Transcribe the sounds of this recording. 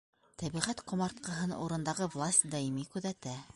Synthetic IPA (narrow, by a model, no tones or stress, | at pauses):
t̪æβiʁæt̪qŏmɑɾt̪̚qɤ̆ɦɤnuɾɤ̆nd̪ɑʁɤvlˠasʲt̪ʲd̪ɑimikʉðæt̪æ